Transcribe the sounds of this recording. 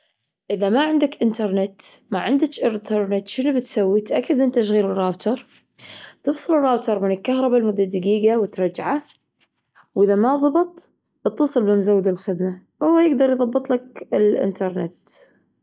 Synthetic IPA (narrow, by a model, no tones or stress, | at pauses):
ʔɪðamaʕɪnd̪akʔɪnt̪ɑɾˤnɪt̪maʕɪnd̪ɪt͡ʃʔɪɾt̪ʰɑɾˤnɪt̪ʃɪnbɪt̪sawːit̪ʔakːad̪ʔɪnt̪ʃ̬ɣiːlɪrːaːbt̪ʰɑɾˤ | t̪ɨfsˤɨlɪrˤːaːbt̪ɑɾˤmɪnɪlkːaɦɾˤɑbalmʊd̪ːad̪ɪɡiːɡawɪt̪ɾˤɑd͡ʒʕa | wʔɪðamaðˤɑbɨt̪ˤ | ɨt̪ːɑsˤɨlbɪmzawːd̪alxɪd̪ma | wʊwːajɪɡd̪ɑɾˤjðˤɑbːɨt̪ˤlakɪlʔɪ̰nt̪ɑɾˤnɪ̰t̪